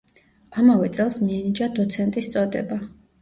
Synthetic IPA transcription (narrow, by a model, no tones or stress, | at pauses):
amavɛt̪sʼɛlˠsmiɛnid͡ʒad̪ɔt̪sʰɛnt̪ʼist̪sʼɔd̪ɛ̰ba